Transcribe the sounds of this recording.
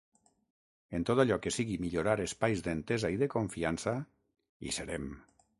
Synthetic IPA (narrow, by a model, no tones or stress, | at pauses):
ent̪ot̪aʎɔkesiɣimiʎoɾaɾespajzd̪ent̪ezaiðekoɱfiansa | ḭseɾem